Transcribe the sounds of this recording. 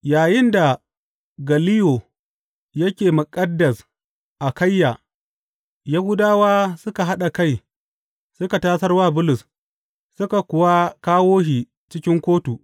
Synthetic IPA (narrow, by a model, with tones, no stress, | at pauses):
jaː˨jɪ˦nda˨ | ɡɐ˨lɪ˦jo˨ | jɐ˦kʲeː˨mʊ˨kʼɐ˦dːɐ˨s | ʔa˨kɐ˦jːaː˨ | ja˦hʊ˦daː˦waː˦sʊ˦ka˨ɦa˦ɗa˨ka˦j | sʊ˦ka˨taː˦sɐ˦rwaː˦˨bʊ˦lʊ˨s | sʊ˦ka˨kʷʊ˨wa˦kaː˦woː˦ɦiː˨ | t͡ʃɪ˦kʲɪ˦ŋkʷoː˦tu˨